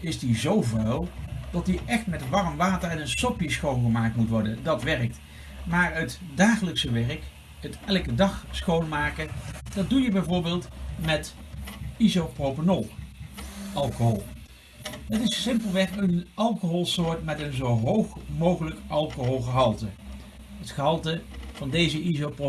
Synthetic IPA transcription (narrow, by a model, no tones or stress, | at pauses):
ɪsdizowvrawˠdɑtdiʔɛxtmɛtʋɑrəmʋaːtərɛnənsɔpjəsχownχəmaːk̚tmutʋɔɹdəndɑtʋɛrək̚t | maːɹətdaːχələksəʋɛɹək | ətɛlˠkədɑχsχownmaːkəd̥ɑt̚dujəbɛjvʊːɹbɪːlˠtmɛt | izowprowpənolˠ | ʔɑlˠkoɦɔlˠ | dɑtɪssɪmpəlˠʋɛχənɑlˠkoɦɔlˠsʊːɹtmɛtənzowɦowχmowχələkʔɑlˠkoɦolˠχəɦɑlˠtə | ɦətχəɦɑlˠtəv̥ɑndejzəʔizowpro